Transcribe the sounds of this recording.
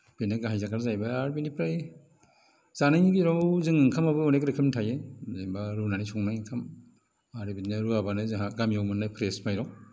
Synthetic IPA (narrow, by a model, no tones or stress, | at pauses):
b̥enaɡaɦajzakʰaɾzajbaaɾbinipʰɾaj | z̥anajniɡiɾɔwzɯŋɯŋkʰamabɯɔnekɾekʰɯmntʰajezembaɾunanisʰɔŋnajɯŋkʰam | aɾbininɯɾuabanɯzaɡamijawmɯnːajpʰɾesmajɾɔ